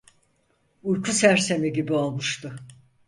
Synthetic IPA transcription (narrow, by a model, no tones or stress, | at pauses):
ujkʰusæɾse̞miɟibio̞lˠmuʃt̪ʰʊ